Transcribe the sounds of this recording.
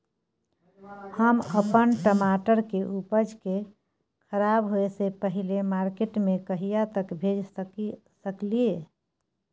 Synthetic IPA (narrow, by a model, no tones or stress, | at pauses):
həməpənʈəmaʈəɾkeʔupəd͡ʒke | kʰəɾabɦoesepəɦilemaɾkeʈmekəɦijat̪əkbʱed͡ʒ | səklie